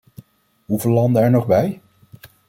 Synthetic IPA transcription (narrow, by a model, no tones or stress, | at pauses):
ɦuveːlɑndəɛɹnɔχbɛj